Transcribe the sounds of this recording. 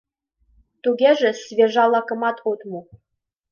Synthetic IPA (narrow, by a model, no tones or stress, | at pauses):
t̪uɡʲeʒɘ̆svʲeʒɑlˠːɑkɤ̆mɑt̪ʰot̪mu